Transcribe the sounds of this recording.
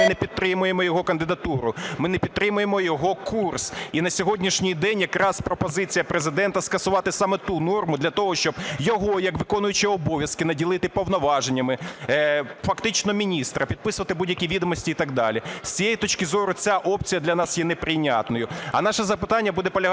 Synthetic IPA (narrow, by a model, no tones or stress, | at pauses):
nɛpʲidt̪̚t̪ɾɪmʊjemɔjɔɦɔkɐnd̪ɪd̪ɐt̪uɾʊmɪnɛpʲid̪̚t̪ɾɪmʊjemɔjɔɦɔkʰursinɐsʲɔɦɔdʲnʲiʃnʲijd̪ɛnʲjɐkɾɑspɾɔpɔzɪt͡sʲijɐpɾezɪd̪ɛnt̪ɐskɐsʊʋɑt̪ɪsɑmɛt̪unɔrmʊd̪lʲɐt̪ɔɦɔʃt͡ʃɔbjɔɦɔjɐkʋɪkɔnʊjʊt͡ʃɪɔbɔʋʲjɐskɪnɐdʲilˠɪt̪ɪpɔwnɔʋɑʒenʲːɐmɪ | fɐkt̪ɪt͡ʃnɔmʲinʲist̪ɾɐpʲid̪̚pɪsʊʋɐt̪ɪbudʲjɐkʲiʋʲid̪ɔmɔsʲtʲiit̪ɑɡ̚d̪ɑlʲisʲt͡sʲijejit̪ɔt͡ʃkɪzɔɾʊt͡sʲaʔɔp̚t͡sʲijɐd̪lʲɐnɑsjɛnɛpɾɪnʲɑ̰t̪nɔjʊɐnɑʃɛzɐpɪt̪ɑnʲːɐbud̪ɛpɔlʲɐɦ